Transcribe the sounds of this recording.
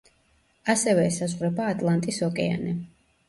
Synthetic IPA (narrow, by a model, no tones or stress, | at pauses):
asɛvɛːsazʁɾɛbaːt̪ʼlˠant̪ʼisɔkʼɛa̰nɛ